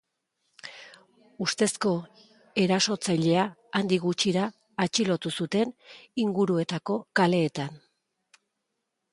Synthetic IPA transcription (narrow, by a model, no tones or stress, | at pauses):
ust̪e̞sko̞ | e̞ɾaso̞t͡sajʎe̞aːnd̪iɣut͡ʃiɾaː | t͡ʃilo̞t̪usut̪e̞niŋɡuɾue̞t̪ako̞kale̞ːt̪an